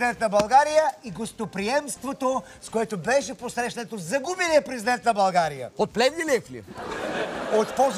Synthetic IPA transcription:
d̪ɛnt̪nɐbɐlˠɡaɾijəiɡost̪opɾiɛmst̪vot̪o | skoɛt̪obɛʃɛposɾɛʃnɛt̪ozɐɡubiliɛpɾɛzid̪ɛnt̪nɐbɐlˠɡaɾijə̰ot̪̚plɛvnilɛflʲḭ | ot̪pɔz

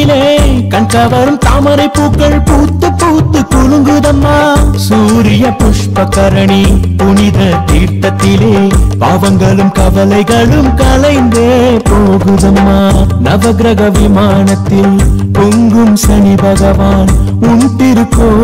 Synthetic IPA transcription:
leːkɐɳkɐʋɐɾɯmt̪aːmɐɾɐɪpːuːkːɐɭpuːt̪ːɯpːuːt̪ːɯkʊɻɯŋɡɯðɐmːaːsuːɾɪjɐpʊʂpɐkɐɾɐɳipʊnɪðɐt̪iːɾt̪ɐt̪ːɪleːpaːʋɐŋɡɐɭɯmkɐʋɐlɐɪɣɐɭɯmkɐlɐɪnd̪ɯpoːɣɯðɐmːaːnɐʋɐɡɾɐɣɐʋɪmaːɳɐt̪ːɪl | poŋɡɯmsɐnibʱɐɣɐʋaːn | ʊntɪɾɯkːo

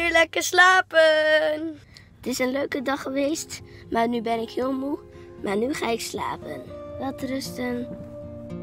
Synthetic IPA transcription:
ylɛkəslaːpən | ətɪsənløɥkədɑχəʋejstmaːnybɛnɪkhɪːlˠmumaːnyχaːɪksla̰ːpə̰nʋɑtrəstən

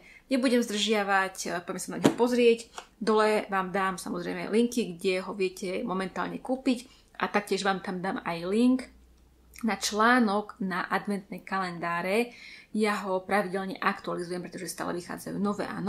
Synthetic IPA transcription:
ɲɛbuɟɛmzd̪r̩ʒɪaʋacpɔjɛmɛsanaɲɦɔpɔzɾɪɛcd̪ɔlɛʋaːmd̪aːmsamɔzɾɛɪjmɛ̰liŋkiɡɟɛɦɔʋɪɛcɛmɔmɛnt̪aːlɲɛkuːpic | ʔa̰t̪ak̚cɪɛʒʋaːmt̪amd̪aːmajliŋk | nat͡ʃlaːnɔɡnaʔad̪ʋɛnt̪nɛjkalɛnd̪aːɾɛjaɦɔpɾaʋiɟɛlɲɛʔakt̪ualizujɛmpɾɛt̪ɔʒɛst̪a̰ːlɛ̰ʋixa̰ːd͡zajṵːnɔʋɛ̰ːʔa̰ːnɔ

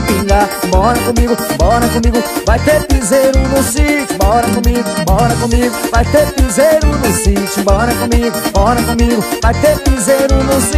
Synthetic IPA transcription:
piŋɡambɔnakomik̬umbɔnakomikuβat̪epizeɾunusit͡ʃimbɔnak̬omiɡ̬umbɔnakomikuβat̪epizeɾunuzit͡ʃimbɔnakomiɡumbɔnakomikuβat̪epizeɾunus

